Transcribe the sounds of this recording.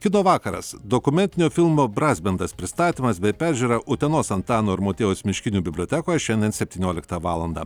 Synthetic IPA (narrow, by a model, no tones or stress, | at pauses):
kʲɪnoːʋɑːkɐɾɐ̰sd̪okʊmʲɛnʲt̪ʲɪnʲoːfʲɪlˠmoːbɾɑːzʲbʲɛnd̪ɐspʲɾʲɪst̪ɑːt̪ʲiːmɐsbʲɛɪpʲæːˑɾʲʒʲuːɾɐʔʊt̪ʲɛnoːsɐnt̪ɑːnoːɪɾmoːt̪ʲeːosmʲɪʃʲkʲɪnʲuːbʲɪbʲlʲoːt̪ʲɛkoːjɛʃʲɛnd̪ʲɛnt̪sʲɛp̚ʲt̪ʲiːnʲoːlʲɪkt̪ɐʋɑːlˠɐnd̪ɐ̰